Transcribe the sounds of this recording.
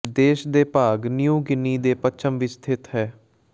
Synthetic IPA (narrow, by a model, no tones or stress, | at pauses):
d̪eːʃd̪eːpaːɡnjuːɡɪnːiːd̪eːpət͡ʃʰəmʋɪst̪ʰɪt̪ɦɛː